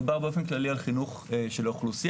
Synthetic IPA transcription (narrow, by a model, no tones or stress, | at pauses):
baʁbeofenmklalialχinuχʃe̞loχlusi